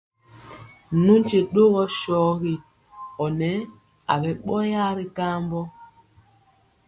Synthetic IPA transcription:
nu˦n˦t͡ʃe˨ɗo˦ɣɔ˦ʃɔː˨˦ɣi˨ | ɔ˨nɛ˨˦ | a̰˨bɛ˨ɓɔ˦ja˦˨ɾi˦ka˦mbɔ˦

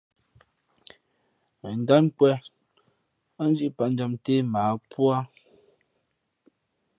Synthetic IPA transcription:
n̩˨da˦nkwɛ˦ | n˦d͡ʒi˦ʔpa˨n̩˦d͡ʒa˦mte˦maː˨˦pwa˦

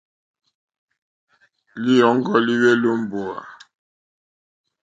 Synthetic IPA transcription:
li˦jɔ˨˦ŋ̩˦ɡɔ˦li˦we˦lo˦m̩˦bo˨a̰˨

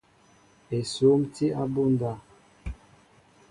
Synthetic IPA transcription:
e˨so˨˦mti˦ʔa˦bu˦nda˦˨

